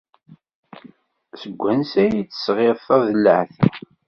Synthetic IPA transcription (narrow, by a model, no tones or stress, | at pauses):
səɡʷːænsæjit͡sːə̥sʁeðθɑðəlːəʕθæ